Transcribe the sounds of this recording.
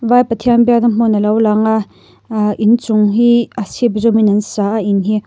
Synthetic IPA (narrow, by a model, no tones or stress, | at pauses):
vajpət̪ʰianbɛk̚nɐm̥ɔnɐlowlaŋa | ʔint͡suŋɦiasip̚zɔminɐnsaʔaʔinɦi